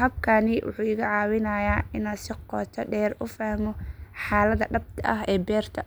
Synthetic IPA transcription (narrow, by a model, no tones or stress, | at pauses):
hɐbkʰaːnɪwʊ̰ħuːɪɣɐʕɑːwɪnaːjaːɪnaːsɪqɔːt̪ʰɐɖɛːrʊfahmɔħaːlɐðɐɖɐb̚t̪ʰɐʔɐɦɛːbɛːrt̪ʰɐ